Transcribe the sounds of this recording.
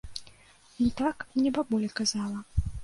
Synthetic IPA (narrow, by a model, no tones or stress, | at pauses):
it̪aknʲɛbabɔlʲɛkazalˠɐ